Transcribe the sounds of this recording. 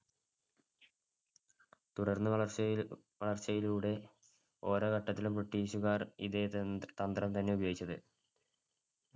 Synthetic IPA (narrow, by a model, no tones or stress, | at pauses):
t̪uɽɐrnːɨʋɐɭɐr | ʋɐɭɐrt͡ɕːɐjiluːɽe̞ | o̞ːɾo̞ːkɐʈːɐt̪ːilumpreʈːiːɕuɣaːrḭðet̪ɐnd̪rɐmt̪ɐnːe̞ubɐjoːɡit͡ɕːɐðɨ